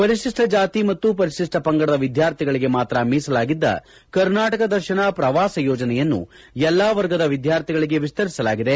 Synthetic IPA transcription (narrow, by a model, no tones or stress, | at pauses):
pɐɾiʂiʂʈɐd͡ʒaːt̪imɐt̪ːupɐɾiʃiʂʈɐpɐŋɡɐɽɐd̪ɐʋid̪ʱjaːɾt̪ʰiɡɐɭiɡe̞maːt̪ɾɐmiːsɐlaːɡid̪ːɐ̰ | kɐɾnaːʈɐkɐd̪ɐɾʃɐɳɐpɾɐʋaːsɐjɔːd͡ʒɐnɛjɐnːṵ | jɛlːaːʋɐɾɡɐd̪ɐʋid̪jaːɾt̪ʰiɡɐɭiɡe̞ʋist̪ɐɾisɐlaːɡid̪e̞